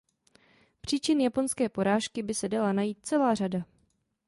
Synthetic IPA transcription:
pr̝̥iːt͡ʃɪnjapo̞nskɛːpo̞ɾaːʃkɪbɪsɛdalanajiːt̪̚t͡sɛlaːr̝ada

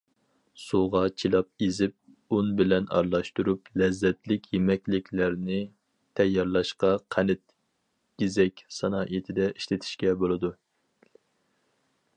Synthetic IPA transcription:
suʁɑt͡ʃʰilˠɑp̚ezɪp̚ | unbɪlɛnɑ̰ɾlˠɑʃt̪uɾuplɛzːɛt̪ʰlɪkʲjemɛkʲlɪkʲlæɾnɪ | t̪ʰɛjːɑɾlˠɑʃqɑqʰænɪt̪̚ | ɡ̥ʲizɛkʲsɑnɑːʔet̪ʰɪd̪ɛʔiʃlɪt̪ʰɪ̥ʃkʲɛbolˠɨd̪u

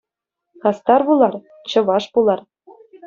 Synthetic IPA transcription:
χɑst̪ɑrβulˠɑr | t͡ɕɤ̆ʋɑʂpulˠɑr

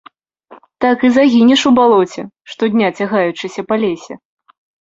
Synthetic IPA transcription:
t̪akɨzaɣʲinʲɛʂubalˠɔt͡sʲɛ | ʂt̪ɔd̪ʲnʲat͡sʲaɣajut͡ʂɨsʲɐpalʲesʲɛ

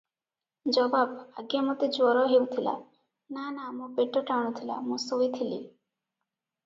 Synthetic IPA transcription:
d͡ʒɔbabaɡjamot̪ed͡ʒwɔɾɔɦewt̪ʰila̰ | nanamũpeʈɔʈaɽ̃ɔt̪ʰila̰mũsojt̪ʰilḭ

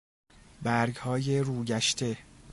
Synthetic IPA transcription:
bæɾɡhɒːje̞ɾuːɟæʃt̪ʰe̞

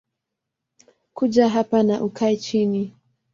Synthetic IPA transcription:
kud͡ʒaɦapanaʔukʰaɛt͡ʃini

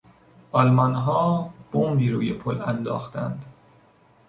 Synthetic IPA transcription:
ʔɒlmɒnɦɒːb̥ombiːɾuːjepʰolænd̪ɒ̰ːxt̪ænd̪

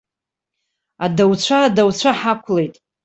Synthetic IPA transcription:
adawt͡ɕʷʰaːdawt͡ɕʷʰaħakʷʰlejtʼ

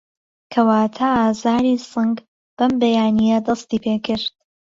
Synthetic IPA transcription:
kʰɐwaːt̪ʰaːaːzaːɾiːsɨŋɡ | b̥ɐmbɐjaːnijɐd̪ɑst̪iːpʰeːkɨɾt̪̚

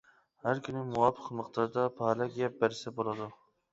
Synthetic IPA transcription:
hæɾkʲynɪmuwɑpʰːə̥qməqt̪ɑɾd̪ɑpʰɑːlˠɑkʲɡʲɛp̚bæɾɪsɛbolˠɨd̪u

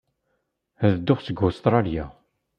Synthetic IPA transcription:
æðəd̪ːʊχsəɡost̪ɾˤɑlja

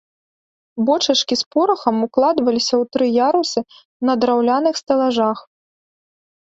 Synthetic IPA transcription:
bɔt͡ʂɐt͡ʂkʲispɔɾɐxɐmuklˠad̪vɐlʲisʲɐwt̪ɾɨjaɾusɨ | nɐd̪ɾawlʲanɨxst̪ɐlˠaʐax

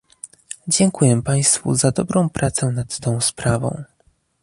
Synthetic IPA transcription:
d͡ʑɛŋkujɛpaj̃st̪fṵzad̪ɔbɾɔ̃w̃pɾʔat̪sɛnat̪ːɔ̃w̃spɾavɔ̰̃w̃

